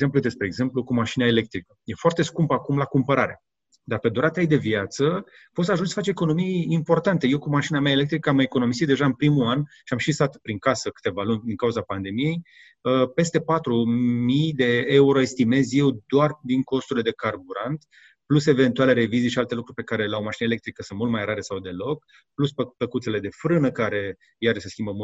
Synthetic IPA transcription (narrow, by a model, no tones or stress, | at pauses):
zemplud̪e̞spɾe̞ːɡze̞mplukumaʃinaele̞k̚t̪ɾikəje̞foart̪e̞skumpakumlakumpəɾa̰ɾe | d̪arpe̞d̪uɾat̪eajd̪e̞viat̪sə | pot̪saʒunt͡ʃsə̥fat͡ʃeeko̞no̞mijːmpo̞rt̪ant̪e̞je̞wkumaʃinamaele̞k̚t̪ɾikəamekono̞misit̪d̪e̞ʒaɨnpɾimuanʃiamʃisat̪pɾiŋkasəkɨ̥t̪e̞valunʲd̪iŋkauzapand̪e̞mije̞j | əpe̞st̪e̞pat̪ɾumijd̪e̞euɾo̞e̞st̪ime̞zje̞wd̪oard̪iŋko̞st̪uɾilee̞karbuɾant̪ | pluse̞ve̞nt̪uale̞ɾe̞vizijʃialt̪e̞lukɾurʲpe̞kaɾe̞lawmaʃinele̞k̚t̪ɾikəsɨnt̪mult̪̚majɾaɾe̞sawd̪e̞lo̞k̚ | pluspəkut̪sele̞d̪e̞fɾɨnəkaɾe̞ | jaɾeseskʲimbəmu